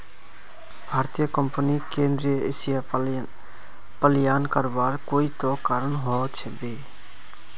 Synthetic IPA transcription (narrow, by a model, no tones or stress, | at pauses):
bʱaːɾt̪ijəkəmpəniːkẽːnd̪ɾieːsja | pəlɪjaːnkəɾbaːɾkoːiːt̪oːkaːɾəɳɦoːt͡ʃʰɛbeː